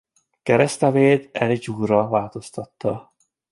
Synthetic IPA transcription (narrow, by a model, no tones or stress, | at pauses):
kɛɾɛst̪ɛveːd̪ɛlid͡ʒuːrɒvaːlt̪o̞st̪ɒt̪ːɒ